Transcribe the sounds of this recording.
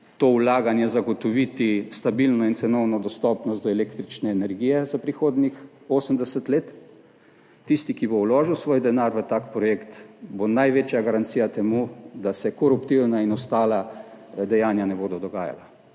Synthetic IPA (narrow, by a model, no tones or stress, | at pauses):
t̪oːwlaːɡanjɛzaɡɔt̪ɔʋit̪ist̪abilnɔint̪sɛnɔwnɔd̪ɔst̪ɔpnɔs̬t̪d̪ɔɛleːkt̪ɾit͡ʃnɛːnɛɾɡijɛzapɾixoːd̪nix | oːsəmd̪ɛsət̪leːt̪ | ist̪ikibowloːʒiwsʋoːjd̪ɛnaːɾʋət̪aːkpɾɔjeːkt̪bonajʋeːt͡ʃjaɡaɾant̪sijat̪ɛmud̪asɛkɔɾupt̪iwnainɔst̪aːlad̪ɛjaːnjanɛboːd̪ɔd̪ɔɡa̰ːja̰la